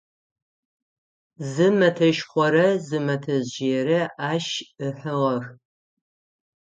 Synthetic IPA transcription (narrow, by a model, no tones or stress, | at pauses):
zɨmɐtʰɐʃχʷɔɾɐzɨmɐtʰɐzʒeːɾɐaːʃɨħəʁɐx